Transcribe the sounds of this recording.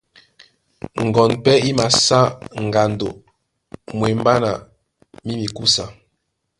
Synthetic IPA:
ŋ̩˨ɡɔ˨npɛ˦i˦ma˨sa˦ŋ̩˨ɡa˨n˨do˨ | mwe˨m˦ba˦na˨ | mi˦mi˨ku˦sa˨

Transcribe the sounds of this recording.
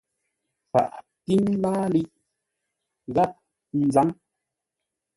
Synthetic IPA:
fa̰˨ʔ | ti˦m˦laː˦li˦ʔ | ɣa˦p̚ | n̩˨za˦ŋ

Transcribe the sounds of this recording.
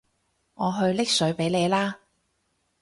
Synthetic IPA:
ŋɔː˨˧ɦɵ˧ɥlɪ˥k̚sɵ˨˥ɥpe˨˥jle˨˧jlaː˥

